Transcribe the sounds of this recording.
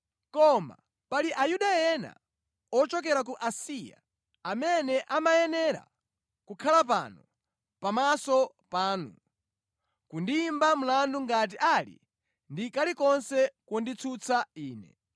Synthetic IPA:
kɔma̰ | paliʔajuɗajɛna̰ | ɔt͡ʃɔk̬ɛɾak̬uʔasija̰ | amɛnɛʔamajɛnɛɾa̰ | kukʰalapa̰nɔ | pamasɔ | paːnṵ | kundiːmbam̩landuŋɡat̬iʔalḭ | ndikalikɔnsɛkɔndit͡sʰut͡sʰaiːnɛ̰

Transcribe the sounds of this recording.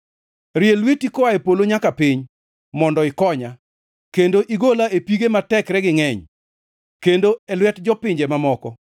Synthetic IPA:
ɾɪelwetikɔwaepoloɲakapɪɲ | mɔndɔɪkɔɲa | kendoʔiɡolaepiɡematɛkɾɛɡɪŋɛɲ | kendoɛlwɛtd͡ʒɔpɪɲd͡ʒemamɔkɔ

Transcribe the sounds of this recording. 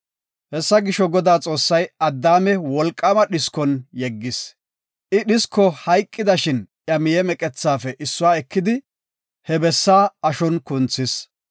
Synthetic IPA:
hɛsːɐɡɪʃɔɡɔd̪aːt͡sʼo̞ːsːɐjɐd̪ːaːmɛwɔlkʼːɐmɐɗɪskɔnjɛɡːɪs | ʔɪɗɪskːɔhɐjkʼːɪd̪ɐʃɪnʔjɐmɪjɛmɛkʼɛt͡sːaːfɛʔɪsːʊwaːɛkːɪd̪ɪ | hɛbɛsːaːɐʃɔnkʊnt͡sːɪs

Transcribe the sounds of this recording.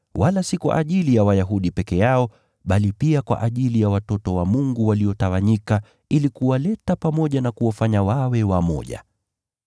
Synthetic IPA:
wʔalasikwa̰ʔaʄilijawajaɦuɗipɛkɛjaɔ | ɓalipiakwa̰ʔaʄilijawatɔtɔwamuŋɡuwaliɔtawaɲika | ilikuwalɛtapamɔʄanakuwafaɲawawɛwamɔ̰ʄa̰

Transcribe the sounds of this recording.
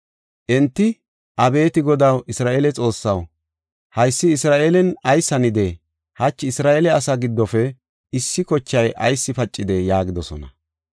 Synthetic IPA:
ʔɛnt̪ːɪ | ʔɐbe̞ːt̪ɪɡɔd̪ɐwʔɪsɾaːʔelɛt͡sʼo̞ːsːɐw | hɐjsːɪːsɾaːʔeːlɛnɐjsːɐnɪd̪e | hɐt͡ʃːɪsɾaːʔeːlɛɐsɐɡɪd̪ːɔfɛ | ɪsːɪkɔt͡ʃːɐjʔɐ̰jsːɪfɐt͡ʃʼːɪd̪ɛjaːɡɪd̪ɔsɔ̰nɐ

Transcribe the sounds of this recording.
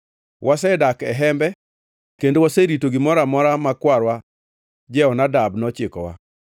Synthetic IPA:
wʔas̬ɛdakɛɦɛmbɛ | kendowaseɾitoɡɪmɔɾamɔɾamakwaɾwa | d͡ʒɛɔnadabnɔt͡ʃɪkɔwa̰

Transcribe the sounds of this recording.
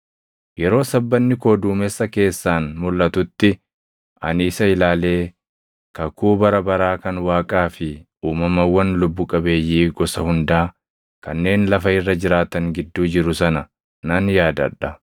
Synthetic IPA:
jɛɾo̞ːsɐbːɐnːɪko̞ːd̪uːmɛsːɐke̞ːsːaːnmʊlːɐt̪ʊt̪ːɪ | ʔɐ̰nɪːsɐɪlaːle̞ː | kɐkuːbɐɾɐbɐɾaːkɐnwaːkʼaːfɪ | uːmɐmɐwːɐnlʊbːʊkʼɐbe̞ːjːiːɡɔsɐhʊnd̪aː | kɐnːe̞ːnlɐfɐɪrːɐd͡ʒɪɾaːt̪ɐŋɡɪd̪ːuːd͡ʒɪɾʊsɐnɐ | nɐnjaːd̪ɐ̰ᶑɐ

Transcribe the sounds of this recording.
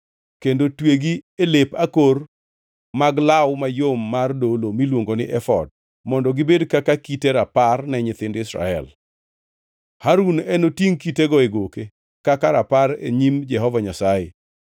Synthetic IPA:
kendotweɡielepakor | maɡlawmajomːardolomilwoŋɡonɪʔɛfɔ̰d̚ | mɔndɔɡɪbedkakakiteɾaparnɛɲɪt̪ɪndɪsɾa̰ɛ̰l | haɾunɛnotiŋkiteɡɔeɡoke | kakaɾapaɾḛɲimd͡ʒɛɦɔvaɲasaje

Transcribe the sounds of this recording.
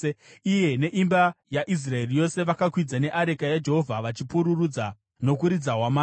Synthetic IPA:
ije̞ne̞ʔimbajaʔis̬rae̞rijo̞se̞ʋakakwid͡zane̞ʔaɾekajad͡ʒe̞ɦo̞vʱaʋat͡ʃipuɾurud͡za | no̞kuɾid͡zaɦwamaː

